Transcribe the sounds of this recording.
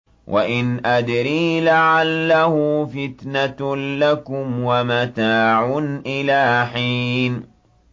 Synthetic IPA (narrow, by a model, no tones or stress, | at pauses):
wʔa̰ʔɪnʔad̪ɾiːlaʕalːahʊfɪt̪natlakʊmwamat̪aːʕʊnʔɪlaːħiːn